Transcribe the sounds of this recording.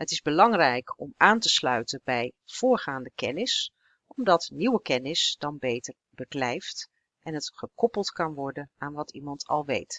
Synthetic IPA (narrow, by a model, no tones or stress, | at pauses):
ɦətɪzbəlɑŋrɛjkɔmaːntəslœɥtənbɛjv̥ʊːɹχaːndəkɛnɪs | ɔmdɑtniwəkɛnɪsdɑnbejtəɹ | bəklɛjft | ʔɛnətχəkɔpəlˠtkɑnʋɔɹdənaːnʋɑtimɑntʰɑ̰lˠʋḛjt